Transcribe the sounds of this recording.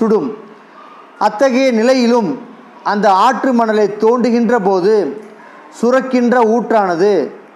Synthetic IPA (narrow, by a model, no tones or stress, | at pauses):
ʊɽɯm | ʔɐt̪ːɐɣɐjɐnɪlɐjɪlɯm | ɐnd̪ɐaːʈrɯmɐɳɐlɐɪt̪ːoːɳɖɯɣɪndrɐpoːðɯ | sʊrɐkːɪndrɐuːʈraːnɐðɯ